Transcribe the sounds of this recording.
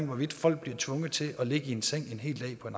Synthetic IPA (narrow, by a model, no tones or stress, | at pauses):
ŋʋɒʋid̥ffɒ̽l̰ɡ̥̚b̥liɐt͡sʰʋɔ̽ŋəð̩ˠt͡sʰe̝ʔɒ̽le̝ɡ̥əie̝nseŋ̰e̝nɦe̝̰ːld̥ɛ̰ːpʰɒ̽e̝n